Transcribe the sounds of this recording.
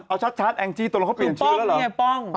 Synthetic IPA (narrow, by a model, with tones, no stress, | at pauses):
ʔa˧wt͡ɕʰa˦˥t̪̚t͡ɕʰaː˦˥t̪̚ʔɛ˧ŋt͡ɕiː˥˩t̪u˧kʰa˥pi˨˩nt͡ɕʰːlaː˦˥lɔ˧˩a˧˩pɔ˥˩ŋ